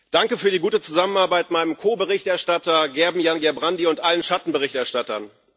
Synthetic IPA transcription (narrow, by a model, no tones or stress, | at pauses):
d̥aŋkəfyːɐɾiːɡuːtət͡suzamənaɐbaɪtmaɪnəmkʰoːbəʁɪçtɛɐʃtatɐɡɛɐbm̩janɡɛɐbʁandiʊntʔalənʃatn̩bəʁɪçtɛɐʃtatɐn